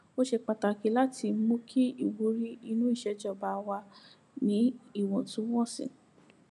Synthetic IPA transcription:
o˦ʃe˧k͡pa˨ta˨ki˨˦la˦tʰi˧˦mõ˦kʰi˦i˦˨wu˨˦ɾi˦i˧nũ˦i˦˨ʃɛ˧˦d͡ʒɔ˦˨ba˨˧wa˧ | nĩ˨˦i˦˨wɔ̃˨tũ˨˦w̃ɔ̃˦˨sḭ̃˨

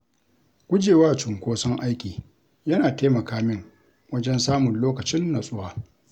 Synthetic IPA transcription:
ɡ̥ʷʊ˦d͡ʒeː˨waː˦t͡ʃʊ˨ŋkʷoː˦sɔ˦ŋʔa˦jkʲiː˨ | jɐ˦naː˨teː˦mɐ˨kaː˦mɪ˦ŋ | wɐ˦d͡ʒɛ˦nsaː˦mʊ˨nloː˦kɐ˨t͡ʃɪ˦nːa˨sʼʊ˦waː˨

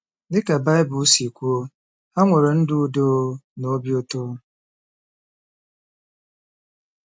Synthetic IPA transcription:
dɪ˦ka˨ba˦ɪ˦bʊ˨˦si˨kʷu˦o˦ | a˦ŋʷe˨ɾo˨n̩˦dʊ˦u˨do˦no˦bjo˦to˦

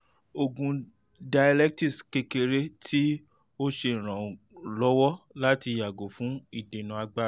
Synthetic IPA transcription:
o˨ɡũ˧ | da˨˧ja˧lɛ˦k̚ti˦˨ske˧ke˧ɾe˦tʰi˦ | o˦ʃe˧ĩ˨ɾ̃ã˨ | lɔ˨˦wɔ˦la˦ti˧ja˨ɡo˨fũ˨˦i˦˨de˨nũ˨˦a˧ɡ͡ba˦˨

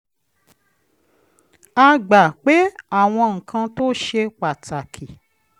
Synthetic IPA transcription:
a˧ɡ͡ba˨k͡pe˨˦a˦˨w̃ɔ̃˧ŋ̩˨kʰã˧to˦ʃe˧k͡pa˨ta˨kʰi˨

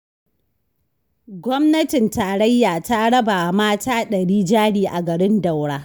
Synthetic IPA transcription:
ɡʷɔ˦mnɐ˦tɪ˨ntaː˨ɽɐ˦jːaː˨ta˦ɽɐ˦ba˨maː˦taː˦ɗɐ˨ɽiː˦d͡ʒaː˦ɽiː˦ʔa˨ɡɐ˨ɽɪ˦nda˨wɽaː˦

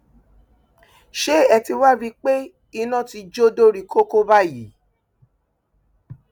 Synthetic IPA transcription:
ʃe˦ɛ˧ti˧wa˦bi˦k͡pe˦ | i˧nã˦˨ti˧d͡ʒo˦do˦ɾi˨ko˦ko˦ba˦˨ji˨˦

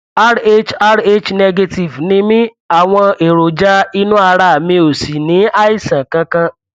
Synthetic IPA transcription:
a˦ɾe˦t͡ʃa˦ɾe˦t͡ʃnɛ˦ɡe˧ti˨vnĩ˦mĩ˦ | a˨w̃ɔ̃˧e˨ɾo˨d͡ʒa˦i˦nũ˦a˧ɾa˨mĩ˧o˨si˨nĩ˨˦a˦i˦sã˨kã˧kã˧

